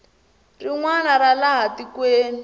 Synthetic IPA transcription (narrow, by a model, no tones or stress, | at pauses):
riŋwanaɾalaɦatikweːni